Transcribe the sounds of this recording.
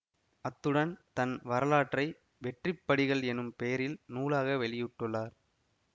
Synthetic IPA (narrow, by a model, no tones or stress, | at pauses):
ɐt̪ːɯɽɐnt̪ɐnʋɐɾɐlaːʈrɐɪ | ʋɛʈrɪpːɐɽɪɣɐɭɛnɯmpejɐɾɪlnuːlaːɣɐʋɛɭɪjɯʈːɯɭːaːɾ